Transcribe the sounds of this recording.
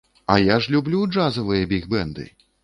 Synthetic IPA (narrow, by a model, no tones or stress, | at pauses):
ɐjaʐlʲublʲud͡ʐazɐvɨjɐbʲiɣbɛnd̪ɨ̰